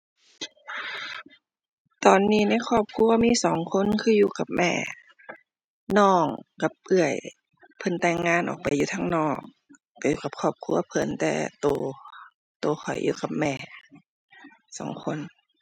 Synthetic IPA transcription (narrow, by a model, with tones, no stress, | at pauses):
t̪ɔː˨˩nːiː˧˩na˧˥˩jkʰɔː˧˩p̚kʰu˧ɐ˧miː˧˥˨sɔː˨˦ŋkʰo˧˥˨nkʰɯː˧juː˧ka˧˦p̚mɛ̰ː˧˩ | nɔː˧˩ŋka˧p̚ʔɯ˧˩əj | pʰɤ˧˥˨nt̪ɛː˧˩ŋːaː˧˥˨nʔɔ̰ː˨˩k̚pa˨jːuː˧t̪ʰaː˧ŋnɔː˧˩k̚ː | a˧˩juː˧˩ka˧p̚kʰɔː˧˩p̚kʰu˧˥ɐpʰɤ˨˦nt̪ɛ̰ː˧˩t̪oː˧ | t̪oː˧˦xʰɔ˨˩jjʔṵː˧ka˧˩p̚mɛː˧˩ | sɔː˨˦ŋkʰo˧˥˨n